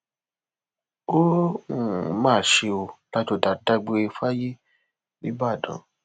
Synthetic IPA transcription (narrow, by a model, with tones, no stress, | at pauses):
o˦ũ˨mãː˦˨ʃe˧o˧la˦to˧˨da˨da˧ɡ͡be˧e˧fa˦ji˦ | nĩ˦ba˦˨dɔ̰̃˨˦